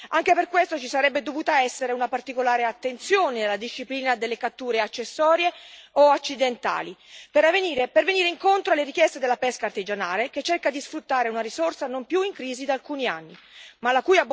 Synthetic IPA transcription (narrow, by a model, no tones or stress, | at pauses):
aŋk̟eperkwest̪ot͡ʃisaɾɛbːed̪ovuːt̪aɛsːeɾeunapart̪ikolaːɾeat̪ːent̪sjoːnenelad̪iʃːipliːnad̪elːekat̪ːuːɾeat͡ʃːesːɔːɾjeoat͡ʃːid̪ent̪a̰ːlipeɾaveniːɾeperveniːɾeiŋkont̪ɾoalːeɾik̟jɛst̪ed̪elːapɛskaːrt̪id͡ʒanaːleket͡ʃːerkad̪isfɾut̪ːaːɾeunaɾisorsanompjuiŋkɾiːzid̪alkuːnianːi | malakuːjab